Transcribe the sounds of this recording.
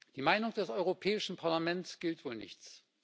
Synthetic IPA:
d̥iːmaɪnʊŋd̥ɛsʔɔʏʁopʰɛːɪʃn̩pʰaɐlamɛnsɡ̥ɪltv̥oːlnɪ̰çt͡s

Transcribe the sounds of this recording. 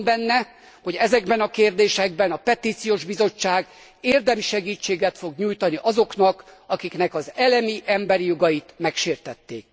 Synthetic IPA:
bɛnːɛ | ho̞ɟɛzɛɡbɛnɒkeːrd̪eːʃɛɡ̚bɛnɒpɛt̪iːt̪sijoːʒbizo̞t͡ʃːaːɡ | eːrd̪ɛmiʃɛɡiːt͡ʃːeːɡɛt̪foɡɲuːjt̪ɒniʔɒzo̞knɒkɒkiknɛkɒzɛlɛmiʔɛmbɛɾijo̞ɡɒjit̪mɛkʃeːrt̪ɛt̪ːḛːk̚

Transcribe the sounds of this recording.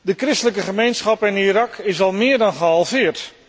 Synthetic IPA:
dəkrɪstələkəχəmejnsχɑpɪniɾɑkɪsɑlˠmɪːɹdɑnχəɦɑlˠvɪːəɹt

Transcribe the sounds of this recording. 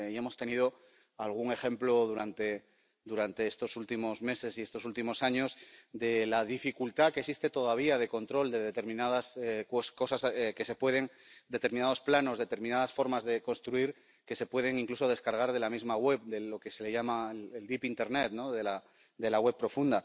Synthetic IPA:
ie̞mo̞st̪e̞niðo̞ | alɣ̞uŋe̞xẽ̞mplo̞ðuɾant̪e̞ | d̪uɾant̪e̞est̪o̞sult̪imo̞zme̞se̞siest̪o̞sult̪imo̞saɲo̞zðe̞lað̞ifikult̪akesist̪et̪o̞ðaβ̞iað̞e̞ko̞nt̪ɾo̞ld̪e̞ðe̞t̪e̞ɾmĩnað̞askosko̞saseke̞se̞pwe̞ð̞e̞ŋd̪e̞t̪e̞ɾminað̞o̞splano̞zðe̞t̪e̞ɾmĩnaðasfo̞ɾmazðe̞ko̞nst̪ɾuiɾ | ke̞se̞pwe̞ð̞e̞ŋiŋkluso̞ð̞e̞skaɾɣ̞aɾðe̞lamizmaɣwe̞βd̪e̞lo̞ke̞se̞le̞ʝamaeleld̪ipint̪e̞ɾnet̪no̞ðe̞la | d̪e̞laɣwe̞β̚pːɾo̞fund̪a

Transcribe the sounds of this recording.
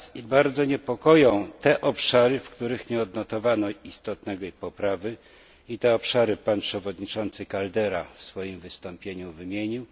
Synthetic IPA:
sibaɾd̪zɔɲɛpɔkɔjɔ̃w̃t̪ɛʔɔpʂaɾɘfkt̪uɾɘxɲɛɔd̪nɔt̪ɔvanɔist̪ɔt̪nɛɡɔipɔpɾavɘ | it̪ɛɔpʂaɾɘpanpʂɛvɔd̪ɲit͡ʂɔnt̪sɘkald̪ɛɾafsfɔjimvɘst̪ɔmpʲjeɲuvɘmʲjeɲiw

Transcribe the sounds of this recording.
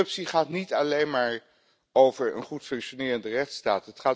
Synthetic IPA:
ɵpsiχaːtnitɑlejnmaːɹ | owvəɹə̰nχutfɵŋkʃonɪːɹəndərɛχtstaːtətχaː

